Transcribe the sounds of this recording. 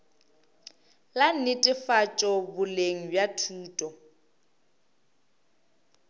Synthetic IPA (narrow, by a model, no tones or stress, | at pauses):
lan̩nɪtʼɪfat͡ʃʼɔbʊleŋ̩bjatʰuːtʼɔ